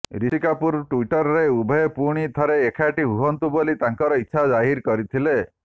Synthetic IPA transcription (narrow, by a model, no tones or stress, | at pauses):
ɾisikapuɾʈuiʈɔɾɔɾeubʱɔepuɽ̃it̪ʰɔɾeːkʰaʈiɦuɦɔnt̪ubolit̪aŋkɔɾɔitːʃʰad͡ʒaɦiɾkɔɾit̪ʰile